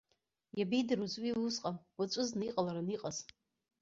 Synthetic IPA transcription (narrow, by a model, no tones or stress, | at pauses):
jabejdɨruzwiwusqʼanwat͡ʃʷʼʊznaiqʼalaɾaniqʼaz